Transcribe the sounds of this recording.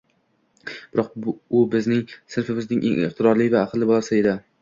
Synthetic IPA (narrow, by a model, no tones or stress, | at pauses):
b̥ɪɾɒq̚ʊbɪznɪŋsɪɾfɪmɪznɪŋʔḛŋɪ̰χt̪ʰɪɾɒɾlijvaːqʰlˠːɪbɒlˠasɪed̪a